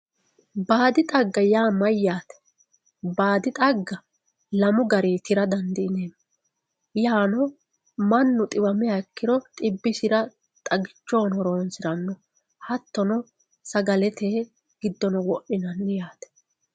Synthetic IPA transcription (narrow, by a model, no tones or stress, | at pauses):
baːd̪ɪt̪ʼɐɡːɐjaːmɐjːaːt̪ɛ̥ | baːd̪ɪt̪ʼɐɡːɐ | lɐmʊɡɐɾiːt̪ɪɾɐd̪ɐnd̪ɪɪneːmː | jaːnɔ | mɐnːʊt̪ʼɪwɐmɪjaɪkːɪɾɔt̪ʼɪbːɪsɪɾɐ | t̪ʼɐɡɪt͡ʃːo̞ːnɔɾo̞ːnsɪɾɐnːɔ | hɐt̪ːɔnɔ | sɐɡɐlɛt̪ʰeː | ɡ̥ɪd̪ːɔnɔwɔʔɪnɐnːɪjaːt̪ɛ̥